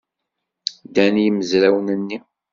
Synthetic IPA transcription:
d̪ænjəməzɾæwnənːi

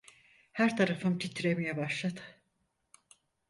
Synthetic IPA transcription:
hæɾt̪ʰaɾafɯmt̪ʰit̪ʰiɾemijɛbaʃlˠad̪ɯ̥

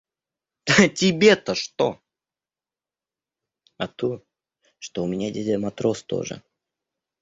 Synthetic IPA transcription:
tʲɪbʲet̪əʂt̪o̰ | ɐt̪u | ʂt̪oʊmʲɪnʲadʲedʲmɐt̪ɾost̪o̰ʐɨ̰

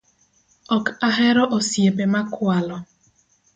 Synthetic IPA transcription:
ɔkaɦeɾɔʔosiebemakʊalɔ

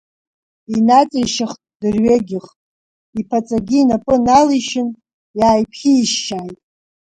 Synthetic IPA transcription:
inat͡sʼijʃaχtʼdɨrɥeɡʲɪχtʼ | ipʰat͡sʼaɡʲiːnapʼɨnaliʃɪn | jaːjpʰχʲiːʃːaːjtʼ

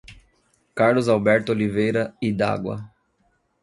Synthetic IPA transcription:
kaɾlʊzawbɛɾt̪ʊolivejɾɐid̪a̰ɡwɐ̰

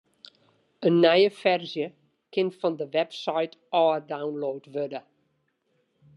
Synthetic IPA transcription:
ənːɛjəfɛrzjə | kʰɪnfɔndəʋɛpsajtɔːədawnloːtʋødə

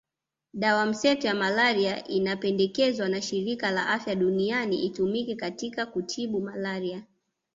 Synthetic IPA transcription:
ɗawam̩sɛtɔjamalaɾiaʔinapɛndɛkɛzwanaʃiɾikala̰ʔafjaɗunianiʔitumikɛkatikakutʰiɓumalaɾia

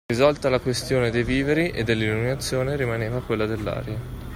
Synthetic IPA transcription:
izɔlt̪alakwest̪joːned̪ejviːveɾiʔed̪ːelːilːuminat̪sːjoːneɾimaneːvakwelːad̪elːa̰ːɾja

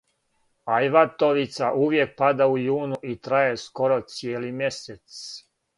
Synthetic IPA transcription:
ajʋat̪oʋit̪saʔuʋje̞k̚pad̪aujuːnuʔit̪ɾajesko̞ɾot̪sjeːlimje̞set̪s

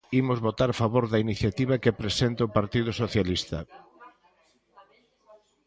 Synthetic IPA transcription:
imʊzβot̪aɾfaβoɾðɐiniθjat̪iβ̞ɐkepɾesent̪opaɾt̪iðʊsoθjalist̪ɐ̰

